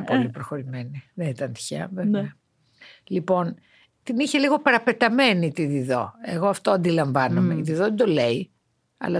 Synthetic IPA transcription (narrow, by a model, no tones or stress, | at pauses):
polipɾo̞xo̞ɾime̞niðenit̪ɐnt̪çɐveveɐ | lipo̞n | t̪iniçe̞liɣo̞pɐɾɐpe̞t̪ɐme̞nit̪iðiðo̞̰e̞ɣoɐft̪oɐnd̪ilɐɱvɐnomeiðiðo̞ðed̪o̞le̞i | ɐ̰lɐ